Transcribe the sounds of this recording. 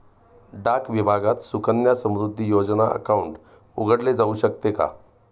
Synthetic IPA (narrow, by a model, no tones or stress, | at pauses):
ɖakʋibʱaɡat̪sukənjasə̃mɾud̪ʱːijod͡zənaʔə̰kauɳʈ | ṵɡəɽled͡zauɕək̚t̪eka̰